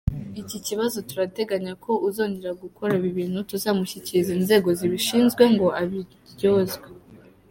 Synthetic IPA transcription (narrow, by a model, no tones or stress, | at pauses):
iciciβazo̞tuɾate̞ɡaɲakʰo̞ʔuzo̞ːɲɟeɾaɡuko̞ɾaiβiβiːn̥hutuzaːmuçiciizinze̞ːɡo̞ziβiʃiːnzɡwe̞ŋɡo̞ʔaβi | ɾjo̞ːzɡe